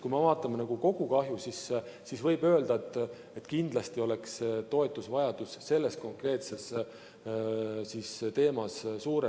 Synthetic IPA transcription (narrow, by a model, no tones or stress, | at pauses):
kujmevɑːt̪ːˑɑmenɑɡ̥uko̞ɡ̥ukɑɦjusisː | isvɤjbø̞ːld̪̥ɑet̪ːˑ | et̪ːˑkind̪̥lɑst̪io̞le̞kst̪o̞e̞t̪ˑːusvɑjɑd̪̥usːe̞lːe̞sko̞ŋkre̞ːt̪se̞s | sist̪e̞ːmɑssuːɾe